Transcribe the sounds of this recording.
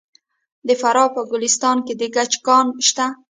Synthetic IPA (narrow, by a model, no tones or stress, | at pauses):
d̪əfaɾɑpəɡʊlɪst̪ɑnked̪eɡat͡ʃkɑnʃt̪a